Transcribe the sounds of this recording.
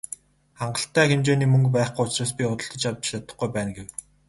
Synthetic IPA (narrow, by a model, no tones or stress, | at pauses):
χaɴɢə̆ɬt̪æːxemt͡ɕeːniːmɵŋkpæːχɡuːʊt͡ɕraːs̬pʲiʊt̪ə̆ɬt̪ɞ̆t͡ɕawt͡ɕat̪ə̆χɡujpæːnɡew